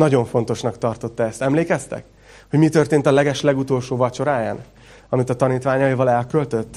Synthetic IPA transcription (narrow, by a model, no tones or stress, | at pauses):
nɒɟo̞ɱfo̞nt̪o̞ʃnɒkt̪ɒrt̪o̞t̪ːɒɛst̪ɛmleːkɛst̪ɛ̰k | ho̞ɟmit̪ørt̪eːnt̪ɒlɛɡɛʃlɛɡut̪o̞lʃoːvɒt͡ʃo̞ɾaːjaːn | ɒmit̪ɒt̪ɒniːt̪ʋaːɲɒjivɒlɛlkølt̪ø̞t̪ː